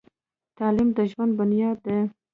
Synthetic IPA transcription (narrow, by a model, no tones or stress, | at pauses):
t̪ɑlɪmd̪əʒwand̪̚bʊnjɑd̪d̪e